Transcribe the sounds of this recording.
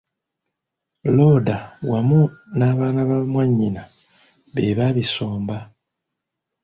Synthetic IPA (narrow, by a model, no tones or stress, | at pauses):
lo̞ːdawamunaːβaːnaβamwaɲːina | βeβaβiso̞ːmba